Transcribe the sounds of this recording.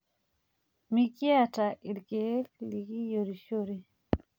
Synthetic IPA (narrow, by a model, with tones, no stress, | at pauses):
mi˨ki˦a˦˨ta˨ʔi˨lke˨˦lli˨ki˦jo˨ɾi˨ʃo˦ɾi˨